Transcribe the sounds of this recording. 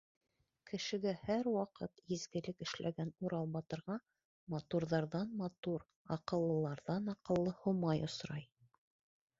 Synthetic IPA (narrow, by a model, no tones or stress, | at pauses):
kɘ̆ʃɘ̆ɡæhæɾwɑqɤt̪jɘ̆zɡɘ̆lɘkɘ̆ʃlʔæ̰ɡænuɾɑlˠbɑt̪ɤ̆ɾʁɑ | mɑt̪uɾðɑɾðɑnmɑt̪uɾ | ɑqɤ̆lˠːɤ̆lˠɑɾðɑnɑqɤ̆lˠːɤhomɑjŏsɾɑj